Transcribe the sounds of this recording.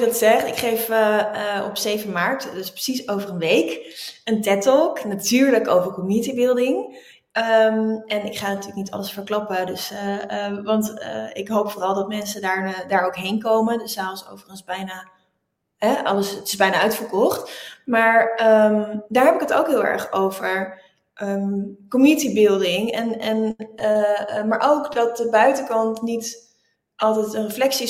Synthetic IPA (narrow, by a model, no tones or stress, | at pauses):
ɡdtsɛχtɪkχejf | ɔ̰psejvənmaɹtdəsprə̥sisowvərənʋejkəntɛtɔknatyːɹləkowvəɹkɔmnitibɪlˠdɪŋ | əmɛnɪkχaːnatyːlək̚nitɑ̰ləsfəɹklɑpədɵs | ʋɑntə̰ɪkɦowpfoːrɑlˠdɑtmɛnsədaːɹdaːɹowkɦejnkowməndəsɛso̰wvərχənzbɛjnaː | ɦɛɑləsətɪsbɛjnaːœɥtfəɹkɔχtmaːɹəmdaːɹɦɛpɪkəto̰wkɦɪːlˠɛ̰ɹχowvəɹ | ʔəkomitibɪlˠdɪŋɛnɛn | maːɹʔowkdɑt̚dəbœɥtəkɑntnit | ʔɑlˠtɛjtənrəflɛksi